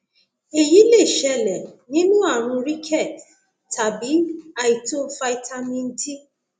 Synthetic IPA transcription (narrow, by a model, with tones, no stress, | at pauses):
e˨ji˨˦le˦˨ʃɛ˧˦˨lɛ˨nĩ˦nũ˦a˦˨ɾ̃ũ˧ɾi˦kʰɛ˦˨t | ta˨bi˨˦a˨ji˨to˦fa˧i˧tʰa˧mĩ˧n̩˦ti˦